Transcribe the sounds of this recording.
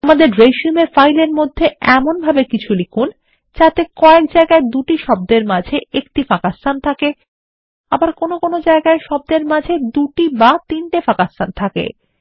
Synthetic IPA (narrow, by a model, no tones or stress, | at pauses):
amad̪eɾɾejʃiumeɾfajleɾmod̪ʱːeɛmonbʱabekit͡ɕʰulikʰun | t͡ɕat̪ekɔek̚d͡ʑaeɡaed̪uʈiʃɔb̚d̪eɾmad͡ʑʱeʔek̚ʈifakast̪ant̪ʰake | abaɾkonokonod͡ʑaeɡaeʃɔb̚d̪eɾmad͡ʑʱed̪uʈibat̪inʈefakast̪ant̪ʰakḛ